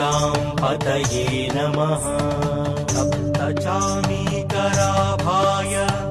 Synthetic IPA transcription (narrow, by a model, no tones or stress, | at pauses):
aːmpɐt̪ɐɦeːnɐmɐɦɐ | ɐpt̪ɐt͡ʃaːmikɐɾaːbʱaːjɐ